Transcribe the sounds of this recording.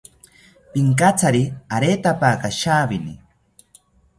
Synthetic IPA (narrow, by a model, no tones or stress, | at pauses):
piŋkat͡saɾiaɾeːt̪apakaʃaːbinḭ